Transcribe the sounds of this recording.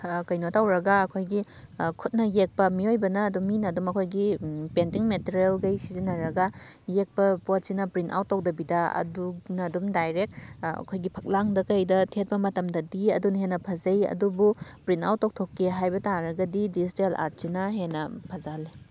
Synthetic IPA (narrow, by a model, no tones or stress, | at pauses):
kɐjnotawɾɐɡɐɐkʰojɡi | kʰut̚nɐjek̚pɐmiojbɐnɐːduminɐdumɐkʰojɡipentiŋmeteɾelɡɐjsizinɐɾɐɡɐ | jek̚pɐpot̚sinɐpɾinta̰wtːok̚dɐbidɐɐ̰dunɐdumdajɾek̚ɐ̰kʰojɡipʰɐk̚laŋdɐkɐjdɐtʰet̚pɐmɐtɐmdɐdiɐdunhenːɐpʰɐzɐjɐ̰dubupɾinta̰wtːok̚tʰokːeɦajbɐtaɾɐɡɐdidisitela̰ɾt̚sinɐɦenɐpʰɐzale